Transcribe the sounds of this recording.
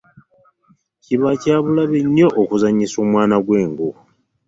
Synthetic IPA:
ciβacaːβulaβeɲːo̞ʔokuzaɲiso̞ːmwaːnaɡwe̞ːŋɡu

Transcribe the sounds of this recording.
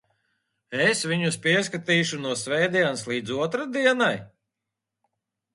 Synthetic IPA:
esvʲiɲuspʲiɛs̬kat̪iːʃunuɔsvɛjd̪ianslˠiːd̪zuɔt̪ɾad̪iɛnaj

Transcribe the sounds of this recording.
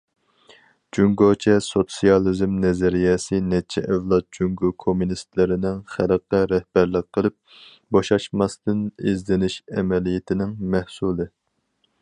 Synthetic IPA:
d͡ʒuŋɡot͡ʃʰɛsot̪sijɑlˠizmnɛzɛɾijɛsɪnɛt͡ʃʰːɛʔɛvlˠɑt̪̚d͡ʒuŋɡokʰomunist̪lɪɾɪnɪŋχæləqɛɾɛhb̥æɾlɪq̚qʰːəlˠɨp̚ | bɑʃɑʃmɑst̪ɨnezd̪ɪnɪʃɛmɛlijɪt̪ʰɪnɪŋmɛhsulˠɨ

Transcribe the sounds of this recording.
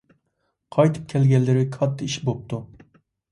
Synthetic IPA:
qʰɑjt̪ʰɨ̥p̚kʲʰɛlɡʲɛlːɪɾɪkʰɑt̪ʰːɪiʃbop̚t̪ʰu

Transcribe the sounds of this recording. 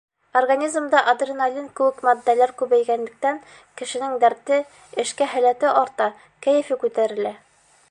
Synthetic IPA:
orɡanʲizmd̪ɑʔɐd̪rʲinalʲinkɘwɘkmɒd̪ːælæɾkʉβæjɡænlɘ̆k̚t̪æŋ | kɘ̆ʃɘ̆nɘŋd̪æɾt̪ɘ | ɘ̆ʃkæɦælæt̪ɘʔɒɾt̪ɑ | kæjɘ̆fikʉt̪æɾɘ̆læ

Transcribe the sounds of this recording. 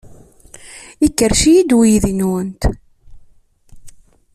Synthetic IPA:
ikːəɾʃijid̪wijiðinuwənt̪

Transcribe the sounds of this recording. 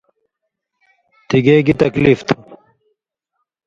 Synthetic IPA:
t̪iɡeːɡit̪ɐkliːft̪ʰu

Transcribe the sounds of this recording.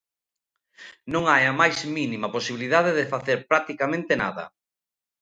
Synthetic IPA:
nõŋajɐmajzminimɐposiβiliðað̞eðɪfaθeɾpɾak̚t̪ikamẽnt̪ena̰ðɐ̰

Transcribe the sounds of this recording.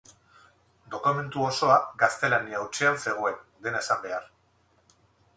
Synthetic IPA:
d̪o̞kume̞nt̪uo̞so̞aɡast̪e̞laniauwt͡ʃeanse̞ɣ̞o̞e̞nd̪e̞naesambe̞ar

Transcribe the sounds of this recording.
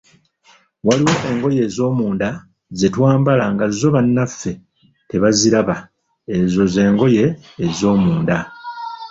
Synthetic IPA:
waliwo̞ʔe̞ŋɡo̞je̞ːzo̞ːmuːnda | ze̞twaːmbalaŋɡazo̞βanːafe̞ | te̞βaziɾaβa | e̞zo̞ze̞ːŋɡo̞je̞ːzo̞ːmuːnda

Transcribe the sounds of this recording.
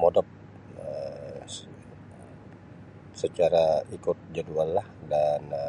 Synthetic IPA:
modɔp̚ | ə | sət͡ʃaɾaikʊt̪̚d͡ʒaduallahdan

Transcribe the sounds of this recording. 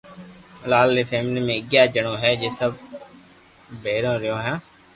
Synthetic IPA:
laːlːeːpʰeːmniːmẽːɪɡjaːd͡ʒəɳõːɦɛːd͡ʒeːsəb | beːɾõːɾɪjõːɦãː

